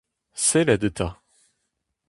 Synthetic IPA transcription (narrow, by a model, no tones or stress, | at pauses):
sɛlad̪ət̪ʰa